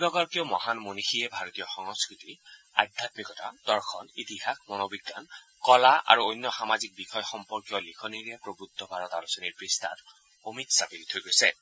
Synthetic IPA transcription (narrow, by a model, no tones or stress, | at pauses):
ɡɔɡɔɹkeʊmɔhanmonixiɛbʱaɹɔt̪ijɔxɔŋɔskɹiti | a̰d̪ʱat̪mikɔta̰d̥ɔɹxʰɔnit̪ihak̚ʰmɔnobiɡːa̰n | kɔlaʔa̰ɹuojnːjɔxamazik̚bixɔjxɔmpɔɹkijɔlikʰɔniɹɛpɹobɹut̪ːɔbʱaɹɔtalɔsɔniɹpɹistʰa̰t | omitsapilit̪ʰojɡojsɛ